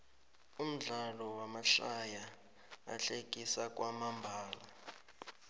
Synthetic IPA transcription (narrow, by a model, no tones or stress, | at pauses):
um̩ɮalɔwamaɬaja | a̰ɬek̬ʼisak̬ʼwamambʱaːla